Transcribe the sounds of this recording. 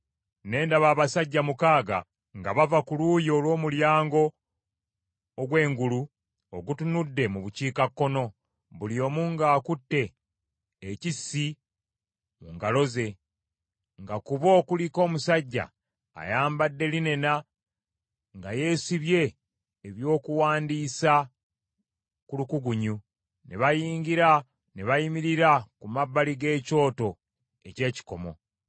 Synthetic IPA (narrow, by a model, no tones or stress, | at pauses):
ne̞ːndaβaːβasaɟːamukaːɡa̰ | ŋɡaβavakuluːjo̞ːlwo̞ːmuljaːŋɡo̞ | ɡwe̞ːŋɡulu | oɡutunudːe̞muβuciːkakːo̞no̞ | βulio̞ːmuːŋɡaːkutːe̞ː | cisːi | muŋɡalo̞ze̞ | ŋɡakuβo̞ːkuliko̞ːmusaɟːa̰ː | jaːmbadːe̞line̞na | ŋɡaje̞ːsiβje̞ː | βjo̞ːkuwaːndisa | kulukuɡuɲu | nḛβajiːɲɟiɾa | neβajimiɾiɾakumabːaliɡe̞ːco̞ːto̞ | e̞ce̞ːci̥ko̞mo̞̰